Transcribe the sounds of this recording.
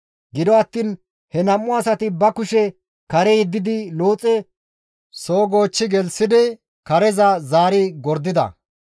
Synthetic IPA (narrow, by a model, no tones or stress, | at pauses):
ɡɪd̪ɔɐt̪ːiːn | hɛnɐmːʊɐsɐt̪ɪbɐkʊʃɛ | kɐɾɛjɛd̪ːɪd̪ɪlo̞ːt͡sʼɛ | so̞ːɡoːt͡ʃːɪɡɛlsɪd̪ɪ | kɐɾɛzɐzaːɾiɡɔɾd̪ːɪd̪ɐ̰